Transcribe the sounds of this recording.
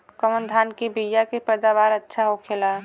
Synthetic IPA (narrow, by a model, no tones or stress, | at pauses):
kəmənd̪ʱankibijjakepɛd̪aβaɾətːʃʰaɦokʰela